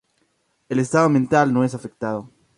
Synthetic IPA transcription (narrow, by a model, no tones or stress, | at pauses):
elest̪aðoment̪alnoes̬afek̚t̪aðo